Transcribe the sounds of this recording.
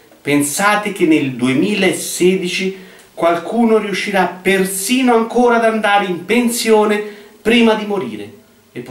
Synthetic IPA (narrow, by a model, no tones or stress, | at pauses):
pensaːt̪ek̟enːeld̪uemiːlaesːeːd̪it͡ʃi | kwalkuːnoriuʃːiɾapersiːnoaŋkoːɾad̪and̪aːɾeimpensjoːnepɾiːmad̪imoɾḭːɾe | epː